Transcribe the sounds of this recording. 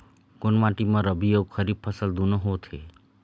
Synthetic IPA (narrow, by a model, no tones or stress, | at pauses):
konmãʈimãɾəbʱijoɡxʰəɾib̚pʰəsəld̪unəɦot̪ʰe